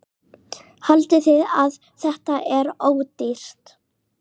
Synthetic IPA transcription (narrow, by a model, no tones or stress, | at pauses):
halt̪ɪθɪðað | θɛht̪aʔɛɾoːwt̪ir̥t̪